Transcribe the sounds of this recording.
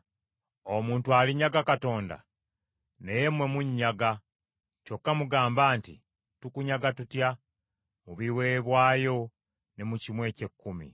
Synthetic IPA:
omuːntualiɲːaɡakato̞ːnda̰ | neje̞mwe̞muɲːaɡa | co̞kːamuɡaːmbaːntḭ | tukuɲaɡatutja | muβiwe̞ːβwaːjo̞ | nemucimwe̞ːce̞kːumḭ

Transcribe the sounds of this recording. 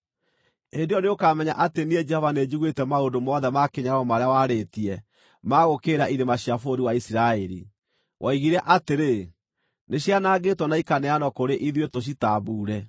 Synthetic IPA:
endeɔneokaːmɛɲa̰ʔatenied͡ʒɛhɔvaned͡ʑiɣwetɛmaondomɔðɛmakeɲaɾɔmaɾeawaɾeːtiɛ | maɣokeːɾaʔiɾemaɕiafoɾiwaisiɾaɛɾḭ | wʔaiɣiɾɛʔateɾe | neɕjanaːɡetwɔnaikanɛanɔkoɾeʔiðwetoɕ̬itaːbuːɾɛ

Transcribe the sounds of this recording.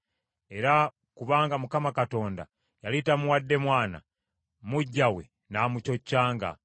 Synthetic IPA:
e̞ɾa | kuβaːŋɡamukamakato̞ːnda̰ | jalitamuwadːe̞mwaːna̰ | muɟːawe̞̰ | namuco̞cːaːŋɡa̰

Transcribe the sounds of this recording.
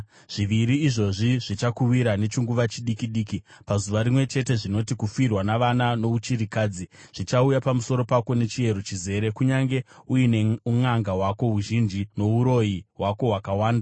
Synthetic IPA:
ʐ̥iʋiɾiːʐo̞ʐiʐit͡ʃakuʋiɾane̞t͡ʃiŋɡuʋat͡ʃiɗikiɗiːkipazuʋaɾimwe̞t͡ʃe̞te̞ʐino̞tikufirwanaʋanano̞ut͡ʃiɾikaːd͡ziʐ̥it͡ʃaujapamuso̞ɾo̞pako̞ne̞t͡ʃije̞ɾut͡ʃize̞ːɾe̞kuɲaŋɡe̞uine̞uŋaŋɡaɦwako̞ɦuʒind͡ʒino̞uɾo̞jiwako̞ɦwakawaːnda

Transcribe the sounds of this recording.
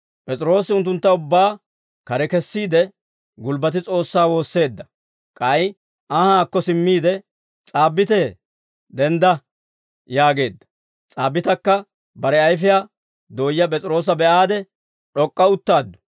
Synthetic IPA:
pʼɛt͡sʼɪɾo̞ːsːɪʊnt̪ːʊnt̪ːɐʊbːaː | kɐɾɛkɛsːiːd̪ɛ | ɡʊlbɐt̪ɪt͡sʼo̞ːsːaːwo̞ːsːe̞ːd̪ːɐ | kʼɐj | ʔɐhaːkːɔsɪmːiːd̪ɛ | t͡sʼaːbːɪt̪eː | d̪ɛnd̪ɐ | jaːɡe̞ːd̪ːɐ̥ | t͡sʼaːbːɪt̪ɐkːɐ | bɐɾɛɐjfɪjaː | d̪o̞ːjːɐpʼɛt͡sʼɾo̞ːs̬ɐbɛʔaːd̪ɛ | ᶑɔkʼːɐʊt̪ːaːd̪ːʊ̥

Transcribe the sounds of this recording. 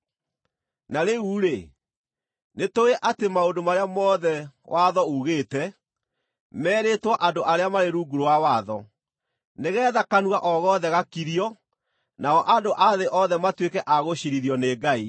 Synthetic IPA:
naɾeuːɾe | netoeʔatemaondomaɾeamɔðɛwʔaðɔuɣeːtɛ | mɛːɾetwɔʔadoʔaɾeamaɾeɾuːɡuɾowawaðɔ̰ | neɣɛːðakanwaʔɔɣɔðɛɣakiɾiɔ | naɔʔadoʔaðeʔɔðɛmatwekɛʔaɣoɕiɾiɾjɔneːɡai

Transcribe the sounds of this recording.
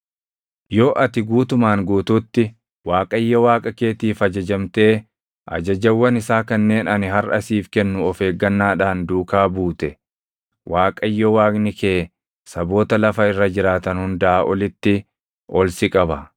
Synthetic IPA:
jo̞ːʔɐt̪ɪɡuːt̪ʊmaːŋɡuːt̪uːt̪ːɪ | waːkʼɐjːɔwaːkʼɐke̞ːt̪iːfɐd͡ʒɐd͡ʒɐmt̪e̞ː | ɐ̰d͡ʒɐd͡ʒɐwːɐnɪsaːkɐnːe̞ːnɐnɪɦɐɾɐ̰siːfkɛnːʊɔfe̞ːɡːɐnːaːᶑaːnd̪uːkaːbuːt̪ɛ | wʔaːkʼɐjːowaːknɪkeː | sɐbo̞ːt̪ɐlɐfɐɪrːɐd͡ʒɪɾaːt̪ɐnhʊnd̪ɐʔaːʔɔlɪt̪ːɪ | ʔɔlsɪkʼɐbɐ

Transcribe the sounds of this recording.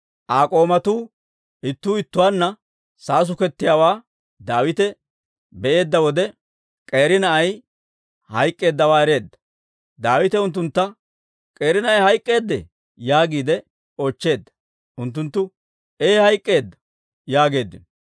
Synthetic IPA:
ʔaːkʼo̞ːmɐt̪uː | ʔɪt̪ːuːɪt̪ːʊwaːnːɐ | saːs̬ʊkɛt̪ːɪjaːwaː | d̪aːwɪt̪ɛ | bɛʔe̞ːd̪ːɐwɔd̪ɛ | kʼe̞ːɾɪnɐʔɐj | hɐjkʼːe̞ːd̪ːɐwaːɛɾe̞ːd̪ːɐ̥ | d̪aːwɪt̪ɛʊnt̪ːʊnt̪ːɐ | kʼe̞ːɾɪnɐʔɐjhɐjkʼːe̞ːd̪ːɛ | jaːɡiːd̪ɛ | oːt͡ʃːe̞ːd̪ːɐ̥ | ʊnt̪ːʊnt̪ːʊ | eːhɐjkʼːe̞ːd̪ːɐ̥ | jaːɡe̞ːd̪ːɪ̰nɔ

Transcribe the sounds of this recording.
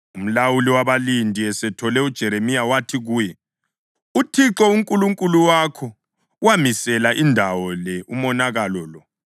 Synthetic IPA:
um̩lawuliwaβalindʱiɛsɛtʰɔlɛud̥ʒ̥ʱɛɾemijawatʰiɣuːjɛ | utʰiǁɔuŋkʼuluŋkʼuluwakʰɔ | wamisɛlaʔindʱawɔlɛʔumɔnaɣalɔlɔ

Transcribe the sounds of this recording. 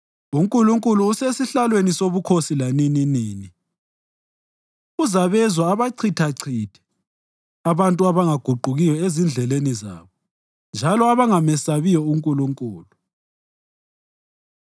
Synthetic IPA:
uŋkʼuluŋkʼuluːsesiɬalwenisoβukʰosilanininiːni | uzaβɛzwaːβaǀʰitʰaǀʰid̥ʱɛ̥ | aβantʼuaβaŋaɡ̥ʱuɡ͡ǃʱuɣijɔezind͡ɮʱɛleniza̰ːβɔ | nd͡ʒʱalɔaβaŋamɛsaβijɔuŋkʼuluŋkʼuːlu

